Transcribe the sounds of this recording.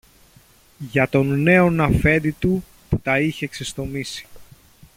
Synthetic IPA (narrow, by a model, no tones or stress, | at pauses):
ʝɐt̪o̞nːe̞o̞nɐfe̞nd̪it̪u | put̪ɐiçe̞ːksest̪o̞misi̥